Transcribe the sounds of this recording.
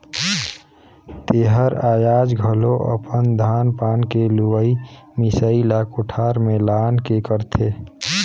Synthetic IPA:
t̪eɦəɾaːjaːd͡ʒɡʱəloʔə̰pənd̪ʱaːnpaːnkeluʋəi | mɪsəilaːkʰoʈʰaɾmẽlaːnkekəɾt̪ʰe

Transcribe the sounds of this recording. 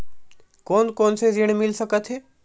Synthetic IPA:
kɔːnkɔːnsezɪɽ̃mɪlsɐkət̪ɦɛː

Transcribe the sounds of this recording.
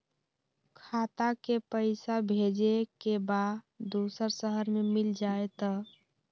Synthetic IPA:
kʰat̪akepəɪsabʱed͡ʒekebad | d̪usəɾsəɦəɾmemild͡ʒaet̪ɔ

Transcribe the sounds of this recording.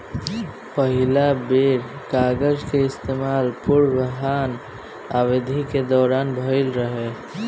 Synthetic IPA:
pəɦilabeɾkaɡəd͡ʒkeɪst̪emalpuɾbəɦan | abed̪ʱiked̪ɔːɾaːnbʱəɪlɾəɦe

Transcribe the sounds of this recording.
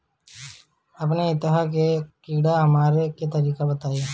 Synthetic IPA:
ɐpneɪt̪ːɪɦakekiːɽaɦɐmaːɾeket̪ɐɾiːkabɐt̪aːe

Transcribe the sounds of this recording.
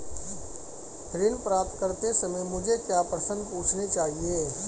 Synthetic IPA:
ɦɾɪnpɾaːp̚t̪̚kəɾt̪esɐməjmʊd͡ʒʱekjaːpɾəsə̃nd̪puːt͡ʃʰnet͡ʃaːɦieː

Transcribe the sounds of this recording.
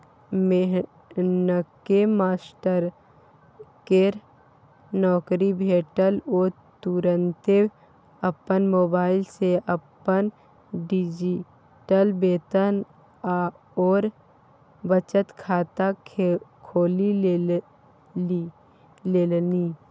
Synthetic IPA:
meɦ | nəkemaːsʈəɾ | keɾ | nɔːkɾibʱeːʈəloː | t̪uɾənt̪e | əpənmoːbaːɪlseʔəpːən | ɖid͡ʒi | ʈəlbeːt̪ən | a | ɔːɾ | bət͡ʃət̪kʰaːt̪a | kʰoːli | leːlniː

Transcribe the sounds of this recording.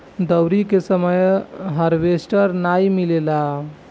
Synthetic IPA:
d̪əwɾikesəməjɦəɾʋesʈəɾnajmilela

